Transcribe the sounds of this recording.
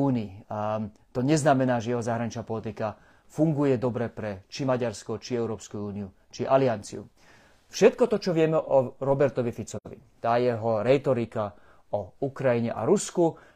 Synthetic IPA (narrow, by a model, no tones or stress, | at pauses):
uːniː | t̪ɔɲɛznamɛnaːʒɛjɛɦɔzaːɦɾaɲit͡ʃnaːpɔlit̪ika | fuŋɡujɛd̪ɔbɾɛpɾɛt͡ʃimaɟaɾskɔt͡ʃiɛʊɾɔːpskuuːniu | t͡ʃiʔaliant͡siṵ | fʃɛt̪̚kɔt̪ɔt͡ʃɔʋɪɛmɛʔɔɾɔbɛɾt̪ɔʋifit͡sɔɔʋḭt̪aːjɛɦɔɾɛt̪ɔɾika | ɔukɾajiɲɛʔa̰ɾusku